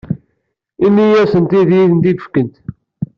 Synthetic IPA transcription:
inːijæsənt̪iðjiθənt̪id̪ə̥fkənt̪

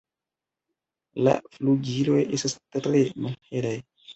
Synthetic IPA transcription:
la̰fluɡilojʔesast̪tɾemalhelaj

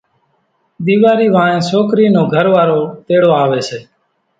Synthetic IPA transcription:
d̪iːʋaːɾiːʋãːnẽːsoːkɾiːnoːɡʱəɾʋaːɾoːt̪eːɽoːaːʋeːseː

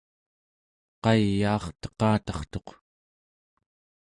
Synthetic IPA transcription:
qɑjːɑːχt̪ə̥qɑːt̪ɑχt̪o̞q

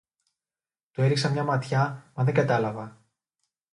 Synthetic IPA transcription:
t̪ue̞ɾiksɐmɲɐmɐt̪çɐmɐðe̞ŋɡɐt̪ɐlɐvɐ

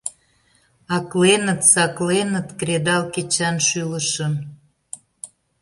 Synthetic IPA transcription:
ɑklenət̪sɑklenət̪kɾed̪ɑlket͡ɕɑnʃyləʃən

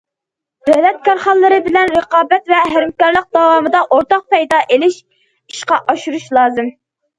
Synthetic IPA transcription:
d̪ɛlɛt̪̚kʰɑɾχɑlˠːɨɾɨbɪlɛnɾəqɑːbɛt̪vɛɦæɾmkɑɾlˠəq̚d̪ɑwɑːmɨd̪ɑʔoɾt̪ɑq̚pɛjd̪ɑːʔelɪʃ | iʃqɑʔɑʃuɾuʃlˠɑːzɨm

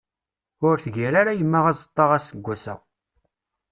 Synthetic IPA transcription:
ʊɾθəʝiɾaɾajəmːəʁæzˤət̪ˤːɑʁæsəɡʷːæsæ̰

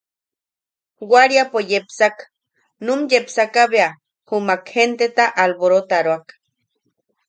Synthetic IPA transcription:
wʷaɾjapojepsak | numjepsakaβea | humakhent̪et̪aʔalboɾot̪aɾoak

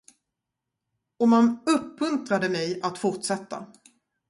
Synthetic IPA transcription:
ɔmanɵpːmɵnt̪ɾad̪əmɛjat̪fʊɾʈʂɛt̪ːa̰

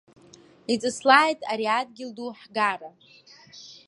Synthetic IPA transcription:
it͡sʼɨslaːjtʼaɾiadɡʲɪlduħɡara

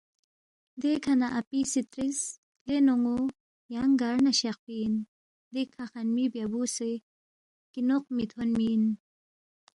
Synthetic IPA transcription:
d̪ekʰɐnaʔapisit̪ɾis | d̪enoŋo | jaŋɡaɾnaɕeq̚pin | d̪ekʰaxanmibjabuse | kinoq̚mit̪ʰonmin

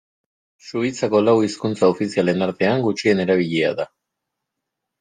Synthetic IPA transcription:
suit͡sako̞lawiskunt͡saofisiale̞naɾt̪e̞aŋɡut͡ʃie̞ne̞ɾaβ̞iʎea̰ða

